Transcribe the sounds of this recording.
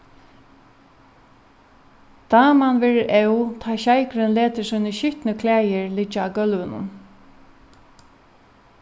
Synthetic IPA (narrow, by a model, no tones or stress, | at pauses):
d̪̥ɑːmanʋɛːɹʔɛwt̪ʰaːɕajkɾənleːt̪əsuːnəɕʏht̪nəkʰlæːjəɹlɪt͡ʃːaɡœlʋənʊ̰m